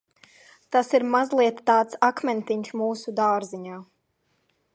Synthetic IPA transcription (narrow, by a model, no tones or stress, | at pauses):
t̪asiɾmazlˠiɛt̪ːaːt̪sakmʲɛnt̪iɲʲʃmuːsud̪aːɾziɲaː